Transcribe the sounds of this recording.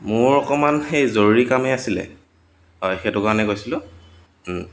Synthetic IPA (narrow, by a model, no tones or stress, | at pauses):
mʊɹɔkɔmanxejzoɹɹikamɛasilɛ̰ | hɔjxɛdʊkanɛkojsilʊ̃